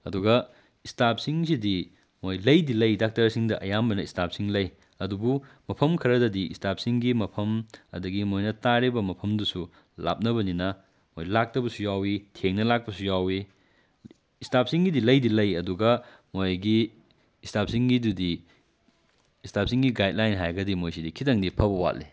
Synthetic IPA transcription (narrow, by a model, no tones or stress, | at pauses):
ɐduɡɐ | istap̚siŋsidi | mojlɐjdilɐjdak̚taɾɐsiŋdɐʔɐjambɐnɐistap̚siŋlɐj | ɐdubu | mɐpʰɐmkʰɐɾɐdɐdiistap̚siŋɡimɐpʰɐmɐ̰dɐɡimojnɐtaɾibɐmɐpʰɐmdusu | la̰p̚nɐβɐninɐ | mojlak̚tɐbɐsujawitʰeŋnɐlak̚pɐsujawi | stap̚siŋɡidilɐjdilɐjɐduɡɐ | mojɡiː | stapsiŋɡidudi | istap̚siŋɡiɡajd̚lajnɦajɡɐdimojsidikʰitɐŋdipʰɐbɐwa̰tli